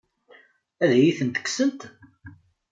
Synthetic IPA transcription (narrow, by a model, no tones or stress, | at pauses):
æðjiθənt̪ə̥ksənt̪